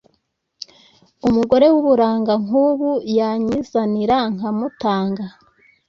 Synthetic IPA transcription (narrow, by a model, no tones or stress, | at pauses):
umuɡo̞ɾe̞wuβuɾaːŋɡaŋuːβujaɲizaniɾaŋamutaːŋɡa